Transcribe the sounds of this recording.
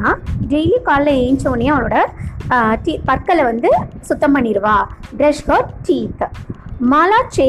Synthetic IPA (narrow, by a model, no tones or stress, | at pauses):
aːɖeːlikaːllɐeːɲt͡ʃoːnɪjɐɐʋɐloːɽɐ | ʈiːpɐɾkɐlɐʋɐnd̪ɯsʊt̪ːɐmpɐɳːɪɾɯʋaːɖɾɛʂʋɐːʈiːt̪maːlaːt͡ʃe